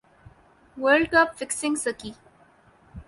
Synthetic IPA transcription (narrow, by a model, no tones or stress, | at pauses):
ʋəːlɖʈɔːpfɪksɪ̃ŋsəki